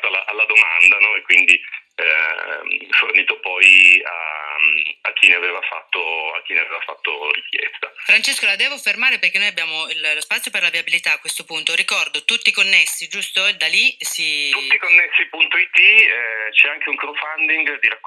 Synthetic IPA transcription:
t̪oalaʔalːad̪omand̪anɔekːwind̪i | forniːt̪opɔja̰ | ak̟ːineaveːvafa̰t̪ːoa̰k̟ːineaveːvafa̰t̪ːo̰ɾik̟ʰjɛ̰st̪afɾant͡ʃeskolad̪ɛːvofermaːɾepeɾrk̟enojabjaːmoillospat̪sːjoperlaviabilit̪aːkwest̪opunt̪oɾikɔrd̪ot̪ut̪ːikonːesːid͡ʒust̪oed̪alisit̪ut̪ːikonːesːipunt̪oit̪ːit͡ʃɛaŋk̟euŋkɾofand̪iŋɡd̪iɾak

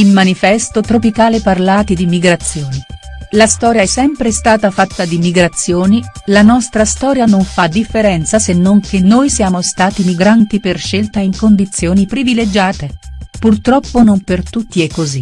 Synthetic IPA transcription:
ilmanifɛst̪ot̪ɾopikaːleparlaːt̪id̪imiɡɾat̪sːjoːnilast̪ɔːɾjaɛsːɛmpɾest̪aːt̪afat̪ːad̪imiɡɾat̪sːjoːnilanɔst̪ɾast̪ɔːɾjanoɱfad̪ifːeɾɛnt̪sasenːoŋk̟enːoːjsjaːmost̪aːt̪imiɡɾant̪iperʃelt̪aiŋkond̪it̪sːjoːnipɾiviled͡ʒaːt̪epurt̪ɾɔpːonompert̪ut̪ːiekːozi

